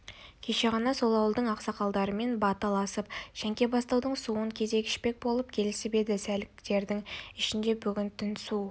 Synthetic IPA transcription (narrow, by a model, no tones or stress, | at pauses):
kʲʰe̞ʃe̞ʁɑnɑso̞lˠɑwəlˠd̪əɴɑqsɑqɑlˠd̪ɑɾəme̞nbɑt̪əlˠɑsəpʒæŋkʲe̞bɑst̪ɑwd̪əɴsuəŋkʲʰe̞ze̞kʲɪ̥ʃpe̞k̚bo̞lˠəp̚kʲʰe̞lɪsɪbe̞d̪ɪsælɪkt̪e̞ɾd̪ɪŋɪʃɪnd̪e̞bʏɡʲɪnt̪ʰɪnsu